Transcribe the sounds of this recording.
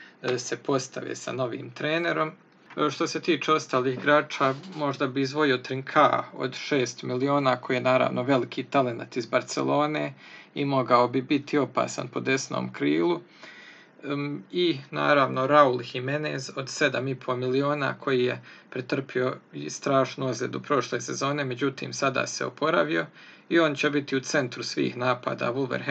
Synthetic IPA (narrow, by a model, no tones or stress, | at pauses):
se̞pʰo̞st̪a̰ʋḛːsa̰no̞ʋḭːmt̪ɾeːne̞ɾo̞m | ʃt̪o̞se̞t̪iːt͡ʃeːo̞st̪aːliːxɡɾaːt͡ʃaːmo̞ʒd̪abiːzʋo̞io̞t̪ɾiŋkʰao̞̰d̪ʃeːst̪milio̞ːnaːkʰo̞jiːenaːɾa̰ːʋnoʋe̞likʰit̪ale̞na̰t̪izbaɾt̪sḛlo̞ːneːimoɡao̞bibit̪ʰio̞pa̰ːsa̰npo̞d̪e̞sno̰ːmkɾiːlˠu | ina̰ːɾaʋno̞ɾaulhimeneːzo̞d̪se̞d̪amipʰo̞milio̞ːna̰ːkʰo̞jiːjepɾet̪r̩pio̞st̪ɾaːʃnuozlʲḛd̪upɾo̞ʃle̞ːse̞zo̞ːne̞me̞d͡ʑut̪ḭːmsad̪a̰seo̰pʰo̞ɾa̰ʋio̞ | io̞nt͡ɕebit̪iut̪se̞nt̪ɾusʋḭːxnaːpa̰ːd̪a̰ːʋulʋeɾ